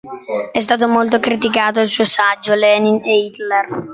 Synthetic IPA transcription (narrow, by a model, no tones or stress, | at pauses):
ɛst̪aːt̪̬omolt̪okɾit̪̬ikaːt̪oilsuːosad͡ʒːolɛnineit̪lɛr